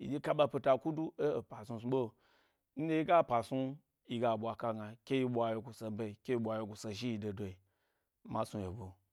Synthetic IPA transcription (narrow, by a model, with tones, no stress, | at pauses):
ḭ˨di˦ka˦ɓa˧pi˧ta˧ku˦du˦e˦˨pa˨su˧su˧˦ɓo˦˨ | n̩˦de˦i˦ɡa˦˨pa˨su˦ | i˧ɡa˨ɓʷa˨ka˦ɡa˨kʲe˦ji˧ɓʷa˨jo˨ɡu˨sa˨be˧˨i˨kʲe˦ji˧˦ɓʷa˨je˨ɡu˨sa˨ʒi˦i˧do˨do˨i˨ | ma˨su˧je˨bo˨